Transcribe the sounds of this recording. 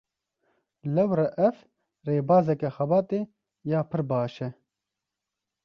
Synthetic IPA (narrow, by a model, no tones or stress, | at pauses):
lɐwɾɛʔɛf | reːbaːzɐkɛxɐbaːt̪eː | jaːpʰɨɾbaːʃɛ